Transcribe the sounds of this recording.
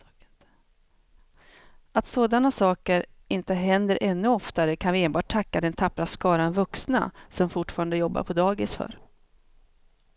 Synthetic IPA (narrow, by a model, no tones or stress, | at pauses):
at̪soːd̪anasɑːkəɾ | ɪnt̪əɦɛnd̪əɾʔɛnːɵɔft̪aɾəkʰanvɪeːnbɑːʈ̚tʰakːad̪ɛnt̪ʰapːɾaskɑːɾanvɵksna̰sɔmfʊʈfɑːɾand̪əjɔbːa̰ɾpʰɔd̪ɑːɡɪsfœ̰ːɾ